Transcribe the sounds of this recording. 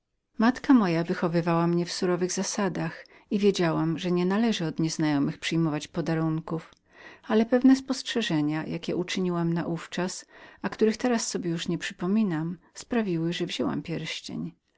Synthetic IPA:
mat̪kamɔjavɘxɔvɘvawamɲɛfsuɾɔvɘɣzasad̪ax | ivʲjed͡ʑawamʐɛɲɛnalɛʐɘɔd̪ɲɛznajɔmɘxpʂɘjmɔvat͡ɕpɔd̪aɾuŋkuf | alɛpɛvnɛspɔstʂɛʐɛɲajʔakʲɛʔut͡ʂɘɲiwamnaʔuft͡ʂasakt̪uɾɘxt̪ɛɾasːɔbʲjɛjuʂɲɛpʂɘpɔmʲinam | spɾavʲiwɘʐɛvʑɔwa̰mpʲjɛɾɕt͡ɕɛ̰ɲ

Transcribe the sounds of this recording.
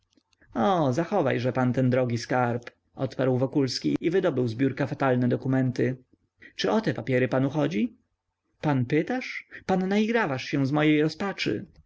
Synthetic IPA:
ɔzaxɔva̰jʐɛpant̪ɛnd̪ɾɔɡʲiskaɾp | ʔɔ̰t̪paɾwvɔkulskʲiivɘd̪ɔbɘwzbʲjuɾkafat̪alnɛd̪ɔkumɛnt̪ɘ | t͡ʂɘʔɔt̪ɛpapʲjɛɾɘpanuxɔd͡ʑi | panpɘt̪aʂpanːaiɡɾavaʂɕɛ̃zmɔjejɾɔspat͡ʂɘ̰

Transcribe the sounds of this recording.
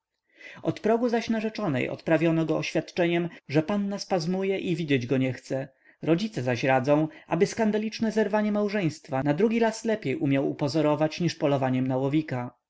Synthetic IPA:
ɔt̪pɾɔɡuzaɕnaʐɛt͡ʂɔnɛ̰jɔ̰t̪pɾavʲjɔnɔɡɔɔɕfʲjat̪t͡ʂɛɲɛmʐɛpanːaspazmujɛʔivʲid͡ʑed͡ʑɡɔɲɛxt̪sɛ | ɾɔd͡ʑit̪sɛzaɕɾad̪zɔ̃w̃ʔa̰bɘskand̪alʲit͡ʂnɛzɛɾvaɲɛmawʐɛj̃st̪fanad̪ɾuɡʲiɾaslɛpʲjejʔumʲjawṵpɔzɔɾɔvat͡ɕɲiʂpɔlɔvaɲɛmnawɔvʲika

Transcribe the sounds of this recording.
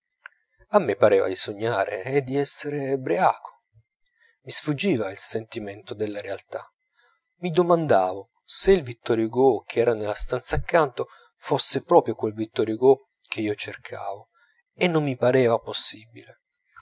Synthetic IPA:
amːepːaɾɛːva̰d̪isoɲːaːɾḛːd̪ːiɛsːeɾebɾeaːkʰo̥ | misfud͡ʒːiːvailsent̪iment̪od̪elːaɾealt̪a | mid̪omand̪aːvo | seilvit̪ːɔɾjoɡok̟ʰeɛːɾanelːast̪ant̪saːkːant̪o | fosːepɾɔːpɾjokwelvit̪ːɔɾjoɡo | k̟eiːot͡ʃerkʰaːvo | enːomːipaɾɛːvaposːibile

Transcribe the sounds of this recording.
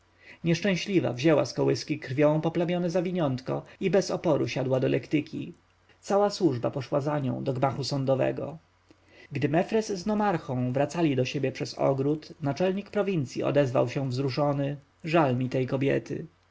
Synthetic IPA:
ɲɛʂt͡ʂɛ̃w̃ɕlʲiva̰vʑɛwaskɔwɘskʲikɾfʲjɔ̃w̃pɔplamʲjɔnɛzavʲiɲɔnt̪kɔibɛsɔpɔɾuɕad̪wad̪ɔlʔɛ̰kt̪ɘkʲḭ | t̪sawaswuʐbapɔʂwazaɲɔ̰̃w̃d̪ɔɡmaxusɔnd̪ɔvɛ̰ɡɔ̰ | ɡd̪ɘmɛfɾɛzːnɔmaɾxɔ̃w̃vɾat̪salʲid̪ɔɕebʲjɛpʂɛsɔ̰ɡɾut̪nat͡ʂɛlɲikpɾɔvʲint̪sʲjiɔ̰d̪ɛzva̰wɕɛ̃vzɾuʂɔnɘ | ʐalmʲit̪ɛjkɔbʲjɛ̰t̪ɘ̰

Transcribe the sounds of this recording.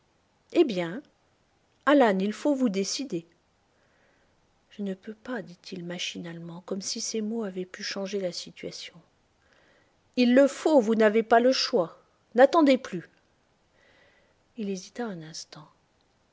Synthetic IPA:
ebjɛ̃ | alanilfovud̪esid̪e | ʒ̥ənəpøpad̪it̪ʰilmaʃinalmɑ̃kɔmsisemoavɛpyʃɑ̃ʒelasit̪ɥasjɔ̃ | ilːəfovunavepaləʃwa | nat̪ɑ̃d̪eply | ilezit̪aɛ̃nɛ̃st̪ɑ̃

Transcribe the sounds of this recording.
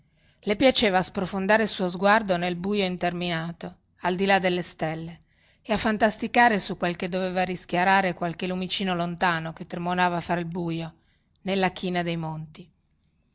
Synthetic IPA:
lepjat͡ʃeːvaːspɾofond̪aːɾesuozɡward̪onelbuːjoint̪erminaːt̪o | ald̪ilad̪elːest̪elːeː | afːant̪ast̪ikaːɾesukːwelked̪ːoveːvarisk̟jaɾaːɾekwalkelumit͡ʃiːnolont̪aːnoket̪ːɾemonaːvafɾailbuːjo | nelːak̟ʰiːnad̪ejmont̪i

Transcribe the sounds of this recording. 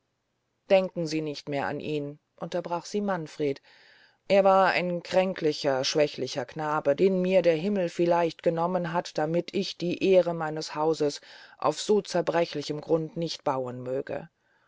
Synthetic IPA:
d̥ɛŋkŋ̩ziːnɪçtmeːɐʔa̰nʔiːn | ʔʊntɐbʁaːχz̥iːmanfʁ̥eːt | ʔeːɐvaːɐa̰ɪnkʁ̥ɛŋklɪçɐʃv̥ɛçlɪçɐkʰnaːbədeːnmiːɐdeːɐɦɪml̩fɪlaɪçtɡ̥ənɔmənɦatd̥amɪtʰɪçd̥iːʔeːʁəmaɪnəshaʊzəsʔa̰ʊfz̥oːt͡sɛɐbʁɛçlɪçəmɡʁʊntnɪçtb̥aʊənmøːɡ̥ə̰

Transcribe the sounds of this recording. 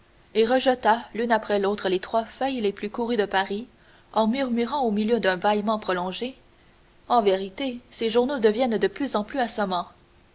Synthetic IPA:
eʁəʒət̪alynapχɛlot̪χəlet̪χwafœjleplykuʁyd̪əpaʁi | ɑ̃myʁmyʁɑ̃omiljød̪œ̃baimɑ̃pχɔlɔ̃ʒe | ɑ̃veʁit̪eseʒuʁnod̪əvjɛnd̪əplyzɑ̃plyasɔmɑ̃

